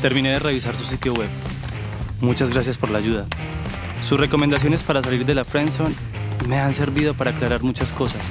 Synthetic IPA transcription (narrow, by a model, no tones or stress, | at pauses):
t̪e̞ɾmĩne̞ðe̞re̞β̞isaɾsus̬it̪jo̞we̞β | mut͡ʃazɣɾasjaspo̞ɾlaːʝuða | susre̞ko̞mend̪as̬jo̞ne̞spaɾas̬aliɾd̪e̞lafɾenson | me̞anse̞ɾbiðo̞paɾaːklaɾaɾmut͡ʃasko̞sas